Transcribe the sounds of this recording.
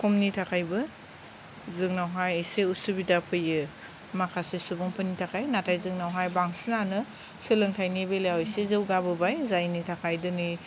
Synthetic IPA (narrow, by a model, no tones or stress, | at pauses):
kʰɔmnitʰakʰajbɯ | zɯŋnawɦajɯjseusubidapʰɯjɯ | makʰasesubɔŋpʰɯnitʰakʰajnatʰajzɯŋnawɦajbaŋsinanɯ | sɯlɯŋtʰajnibelejawɔjsezɯwɡabɯbajzajnitʰakʰajdɯnɯ